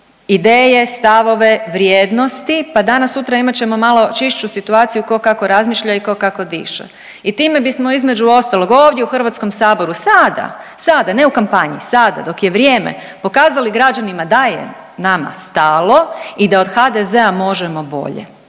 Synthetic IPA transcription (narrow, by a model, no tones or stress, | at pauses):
id̪eːje̞st̪aʋo̞ʋe̞ʋɾjeːd̪no̞st̪ipad̪anasːut̪ɾaimat͡ɕe̞mo̞malo̞t͡ʃiʃt͡ʃusit̪uaːt̪sijuko̞kako̞ɾazmiːʃʎaiko̞kako̞d̪ḭːʃḛ | it̪iːme̞bismo̞izme̞d͡ʒuo̞st̪alˠo̞ɡo̞ːʋd̪jeuxrʋat̪sko̞msaːbo̞ɾusad̪a̰ | sad̪ane̞ukampaɲḭsad̪a̰d̪o̞kje̞ʋɾje̞ːmḛ | po̞kaːzaliɡɾad͡ʒanimad̪ajḛ | nama̰st̪aːlˠo̞id̪ao̞d̪xad̪eze̞amo̞ʒemo̞bo̰ʎḛ